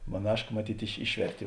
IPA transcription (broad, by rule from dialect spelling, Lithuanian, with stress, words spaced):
mɐˈnɑːʃkɐ mɐˈtʲiːtʲ ɪʃ ˈɪʃʲʋʲɛrʲtʲeː